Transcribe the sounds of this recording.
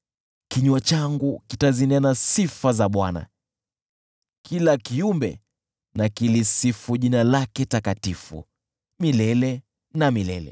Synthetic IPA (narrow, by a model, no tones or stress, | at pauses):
kiɲuat͡ʃaŋɡukitazinianasifazaɓwana̰ | kʰilakiumbɛ̰ | nakilisifuʄinalakɛtakatifṵ | milɛlɛ | namilɛ̰lɛ̰